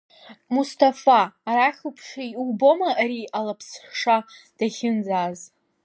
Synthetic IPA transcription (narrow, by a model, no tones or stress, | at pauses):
mustʰafaːɾaχʲupʰʂajlbo̞maʔɾialapʰsʂad̥aχʲɪnd͡zaːz